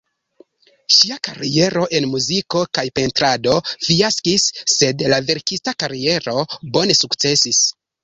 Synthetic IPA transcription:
ʃiakaɾie̞ɾo̞ʔe̞nmuziko̞kajpe̞ntɾado̞fiaskisːe̞dlave̞ɾkistakaɾie̞ɾo̞bo̞ne̞sukt͡se̞sis

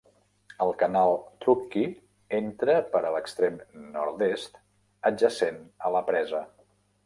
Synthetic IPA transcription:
əlˠkənalˠt̪ɾuki | ent̪ɾəpəɾələkst̪ɾemnɔɾd̪est̪ | əd͡ʒəsenələpɾɛzə

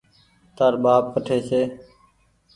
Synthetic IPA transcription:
t̪aːɾɓaːp̚kəʈʰeːseː

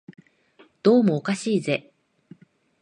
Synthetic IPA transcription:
d̪̥o̞ːmo̞ːkaɕiːze̞

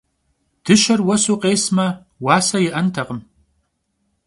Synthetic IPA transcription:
d̥ɨʃɐrwɐsuqʼeːsmɐ | waːsɐjɪʔɐntʰɐqʼəm

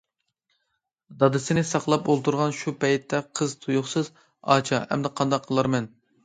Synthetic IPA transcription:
d̪ɑd̪ɨsɪnɪsɑqlˠɑpolˠt̪ʰuɾʁɑnʃupʰɛjt̪ʰːɛqʰəzt̪ʰujʊχsɨz | ɑ̰t͡ʃʰɑhɛ̰md̪ɛqʰːɑnd̪ɑqːʰəlˠɑɾmɛn

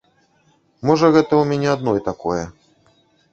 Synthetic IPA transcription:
mɔʐɐɣɛt̪ɐumʲɛnʲɛad̪nɔjt̪akɔjɛ

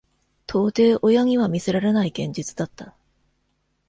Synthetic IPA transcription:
t̪ʰo̞ːt̪e̞ːʔo̞jaɲ̟iβamʲise̞ɾaɾe̞naiɡẽ̞ɲ̟d͡ʑit͡sɨ̥d̪at̪ːa

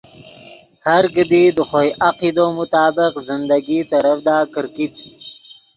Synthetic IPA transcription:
haɾɡəd̪id̪əxojʔaqid̪omʊt̪ɑːbɪqzɪnd̪aɡit̪aɾafd̪ɑːkəɾkit̪

